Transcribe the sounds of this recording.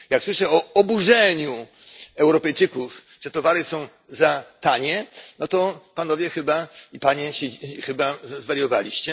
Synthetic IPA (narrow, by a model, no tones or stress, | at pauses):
jakswɘʂɛɔɔbuʐɛɲuɛwɾɔpɛjt͡ʂɘkuf | ʐ̥ɛt̪ɔvaɾɘsɔ̃w̃ | zat̪aɲɛnɔt̪ɔpanɔvʲjɛxɘbaipaɲɛɕɛxɘbazvaɾjɔva̰lʲiɕt͡ɕɛ